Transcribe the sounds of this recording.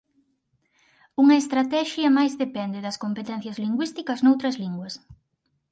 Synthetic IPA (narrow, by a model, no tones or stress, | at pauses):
uŋɐest̪ɾat̪ɛʃiɐmajzðepɛnd̪eðɐskompet̪ɛn̟θjɐzliŋɡwist̪ikɐznowt̪ɾɐzliŋɡwɐs